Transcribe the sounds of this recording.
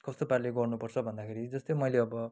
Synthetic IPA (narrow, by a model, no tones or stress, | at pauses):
kʌst̪oparleɡʌrnupʌrt͡sʰʌbʱʌnd̪akʰeɾid͡zʌst̪omʌjleʌbʌ